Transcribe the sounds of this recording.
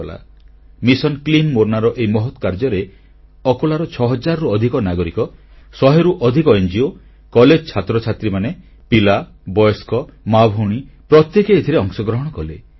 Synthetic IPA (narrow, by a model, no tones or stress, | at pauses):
la̰ | misɔnklimːoɾnaɾɔʔejmɔɦɔt̪ɔ̥kaɾd͡ʒɔɾe | ɔkolaɾɔt͡ʃʰɔɦɔd͡ʒaɾɔɾuɔd̪ʱikɔnaɡɔɾikɔ | sɔɦeɾuʔɔd̪ʱikɔend͡ʒio | kɔled͡ʒɔt͡ʃʰat̪ɾɔt͡ʃʰat̪ɾimane | pila | bɔjɔskɔmabʱuɽ̃i | pɾɔt̪jekeːt̪ʰiɾeɔŋsɔɡɾɔɦɔɽ̃ɔkɔlḛ